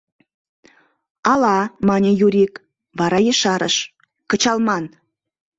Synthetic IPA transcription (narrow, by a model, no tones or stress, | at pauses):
ɑlɑmɑnʲejuɾik | βɑɾɑjəʃɑɾə̰ʃ | kə̆t͡ɕɑlˠmɑn